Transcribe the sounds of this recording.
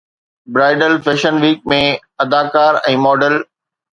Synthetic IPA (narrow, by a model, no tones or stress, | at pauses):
bɾaːɪɖəlfeːʃənʋiːk̚mẽ | ɐd̪aːkaːɾɛ̃ːmɔːɖəl